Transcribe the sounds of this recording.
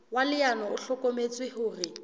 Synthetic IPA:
walɪanɔʊɬɔkʼomet͡sʼwɪhʊːrɪ

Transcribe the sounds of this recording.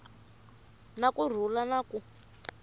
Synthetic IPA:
nakur̤ulanaku

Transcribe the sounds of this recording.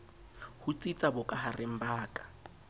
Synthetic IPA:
hʊt͡sʼit͡sʼabʊkʼaharɪm̩baːkʼḁ

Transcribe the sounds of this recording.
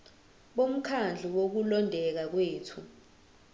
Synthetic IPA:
ɓom̩kʰand͡ɮʱuwok̬ulɔndʱɛk̬ak̬weːtʰu

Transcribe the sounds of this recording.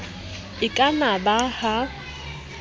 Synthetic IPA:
ɪkʼanabaha

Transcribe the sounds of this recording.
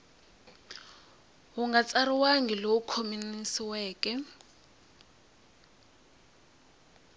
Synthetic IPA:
ɦuŋɡat͡sariwaŋɡiloukʰominisiwɛːkʼɛ

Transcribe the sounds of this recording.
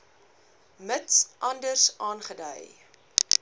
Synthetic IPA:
mətsʔɐndərsɑːnχədə̰j

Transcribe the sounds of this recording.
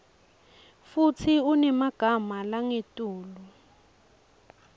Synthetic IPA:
fut͡sʰiunɛmaɡ̥ʱamalaŋetʼuːlu

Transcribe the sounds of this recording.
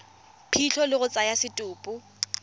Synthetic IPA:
pʰiɬʰɔlɪɣʊt͡sʼajasɪtʼʊːpʼʊ

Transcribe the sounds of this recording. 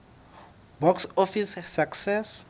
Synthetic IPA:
bɔksɔfissaksɛs

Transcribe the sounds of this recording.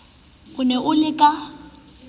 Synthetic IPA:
ɣʊnɛʔʊlɪkʼa

